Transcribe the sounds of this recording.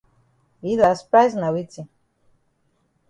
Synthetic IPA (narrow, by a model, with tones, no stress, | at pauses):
i˦la˨spa˦zna˨wi˦t͡si˨